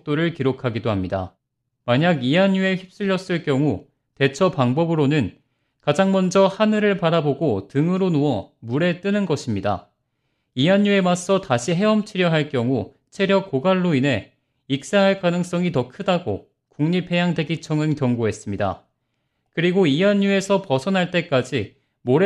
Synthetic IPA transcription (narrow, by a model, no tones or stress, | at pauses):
k̚t͈oɾɯɭkiɾokʰaɡidoɦamɲida̰ | maɲaɡiɦaɲːue̞çip̚s͈ɯʎːʌs͈ɯɭk͈jʌŋu | te̞t͡ɕʰʌpaŋbʌbɯɾonɯn | kad͡ʑaŋmʌnd͡ʑʌhanɯɾɯɭpaɾaboɡotɯŋɯɾonuʌmuɾe̞t͈ɯnɯnɡʌɕʰimɲida̰ | iɦaɲːue̞mas͈ʌtaɕʰiɦe̞ʌmt͡ɕʰiɾjʌɦaɭk͈jʌŋu | t͡ɕʰe̞ɾjʌkːoɡaɭːoinɦe̞ | ik̚s͈aŋɦaɭkanɯŋs͈ʌŋitʌkʰɯdaɡo̰ | kuŋɲipʰe̞jaŋde̞ɡit͡ɕʰʌŋɯnkjʌŋɡoɦe̞s͈ɯmɲida̰ | kɯɾiɡoiaɲːue̞sʰʌpʌsʰʌnɦaɭt͈e̞k͈ad͡ʑi | moɾe